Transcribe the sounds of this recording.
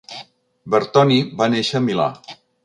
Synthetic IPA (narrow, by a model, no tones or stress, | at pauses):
bəɾt̪ɔnibaneʃəːmila̰